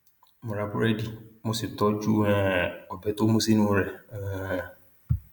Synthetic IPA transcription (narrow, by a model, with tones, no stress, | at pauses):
mʊ̃˨ɾa˨bʊ˦ɾɛ˦di˨mʊ̃˦sɪ˨tɔ˦d͡ʒu˦ɛ̃˦˨ɔ˨bɛ˦tʊ˦mʊ̃˦si˦nʊ̃˦ɾɛ˨˦˨